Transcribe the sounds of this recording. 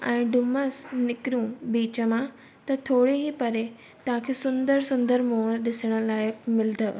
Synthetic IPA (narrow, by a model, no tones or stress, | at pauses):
ɛ̃ːɖʊməsnɪkɾũbiːt͡ɕəmã | t̪ɐt̪ʰoːɽeɦipɐɾe | t̪ɐʋ̤ãkʰeːsʊ̃nd̪əɾsʊ̃nd̪əɾmoːɽ̃ɗɪsəɽ̃ə̆laːjəkmɪld̪ʱə